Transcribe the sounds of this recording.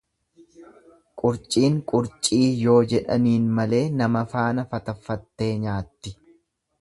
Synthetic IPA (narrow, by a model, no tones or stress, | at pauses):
kʼʊɾt͡ʃʼiːŋkʼʊɾt͡ʃʼiːjo̞ːd͡ʒɛᶑɐniːnmɐle̞ːnɐmɐfaːnɐfɐt̪ɐfːɐt̪ːe̞ːɲaːt̪ːɪ